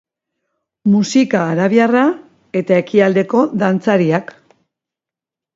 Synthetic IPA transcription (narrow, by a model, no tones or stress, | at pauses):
musikaːɾaβjara | e̞t̪ae̞kiald̪e̞ko̞ðant͡saɾiak